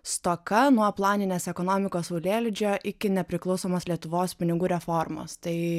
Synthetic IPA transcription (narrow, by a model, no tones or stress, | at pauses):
st̪oːkɐnuɔplˠɑːnʲɪnʲeːsɛkoːnoːmʲɪkoːsoʊlʲeːlʲd͡ʒʲoːʔɪkʲɪnʲɛpʲɾʲɪklˠɒʊsoːmoːslʲiɛt̪ʊʋoːspʲɪnʲɪɡuːɾʲɛfoɾmo̰ːst̪ɐɪ